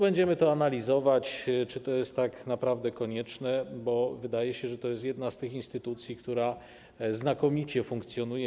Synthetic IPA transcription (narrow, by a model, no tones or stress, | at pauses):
bɛɲd͡ʑɛmɘt̪ɔanalʲizɔvat͡ɕt͡ʂɘt̪ɔjɛst̪ːaknapɾavd̪ɛkɔɲɛt͡ʂnɛbɔvɘd̪ajɛɕɛʐɛt̪ɔjɛst̪jɛd̪̚nast̪ɘxinst̪ɘt̪ut̪sʲjikt̪uɾa | znakɔmʲit͡ɕɛfuŋk̚t̪sʲjɔnujɛ